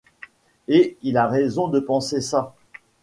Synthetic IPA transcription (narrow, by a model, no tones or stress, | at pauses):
eilaʁezɔ̃d̪əpɑ̃sesa